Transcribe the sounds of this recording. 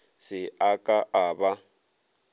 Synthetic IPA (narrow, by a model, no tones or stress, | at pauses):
sɪakʼaʔaːba